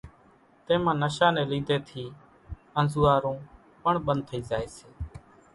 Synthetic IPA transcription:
t̪ẽːmãːnəʃãːnɛːlĩːd̪eːt̪ʰiː | ənzuːaːɾõː | pəɳɓənd̪̚t̪ʰːəiːzaːeːseː

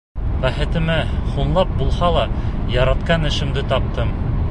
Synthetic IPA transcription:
bæχɘ̆t̪ɘ̆mæχunlˠɑp̚bulˠhɑlˠɑjɑɾɑt̪qɑnɘ̆ʃɘ̆md̪ɘt̪ɒp̚t̪ɤm

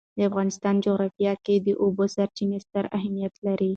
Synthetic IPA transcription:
d̪əafɣɑnɪst̪ɑnd͡ʒoɣɾɑfijɑked̪əʔubosaɾt͡ʃinest̪aɾaɦamijat̪laɾi

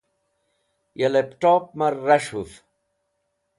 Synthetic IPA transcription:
jelepʈoːp̚mɐɾːɐʂhuf

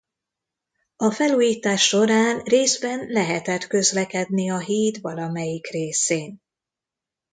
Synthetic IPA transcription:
ɒfɛluːjiːt̪aːʃːo̞ɾaːnreːzbɛnlɛɦɛt̪ɛt̪kø̞zlɛkɛd̪niɒɦiːt̪vɒlɒmɛjikreːseːn

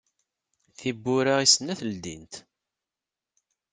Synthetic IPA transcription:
θibːʊɾaʁisənːæθəld̪ḭnt̪

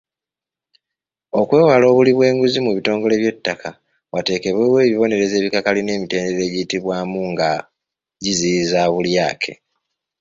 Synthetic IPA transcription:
o̞kwe̞ːwalo̞ːβuliβwe̞ːŋɡuzimuβito̞ːŋɡo̞le̞βje̞tːaka | wate̞ːke̞βwewe̞ːβiβo̞ne̞ɾe̞ze̞ːβikakaline̞ːmite̞ːndeɾe̞ːɟiːtiβwaːmuŋɡa | ɟizizaːβuljaːkʰe̞̰

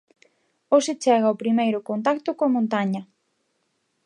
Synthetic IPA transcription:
osɪt͡ʃɛɣɐopɾimejɾʊkont̪akt̪okoamõnt̪aɲɐ

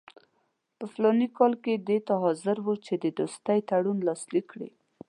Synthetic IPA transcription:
pəflɑnikɑlked̪et̪aɦɑzɪɾwut͡ʃed̪əd̪ost̪ajt̪aɽunlɑslikːɽḭ

